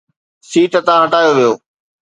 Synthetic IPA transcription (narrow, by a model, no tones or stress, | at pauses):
siːʈət̪ãɦɐʈaːjoʋijoː